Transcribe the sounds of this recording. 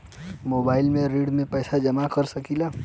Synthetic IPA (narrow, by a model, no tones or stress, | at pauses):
moːbaːɪlmẽɾiːɖmẽpɛːsad͡ʒəmakəɾsəkila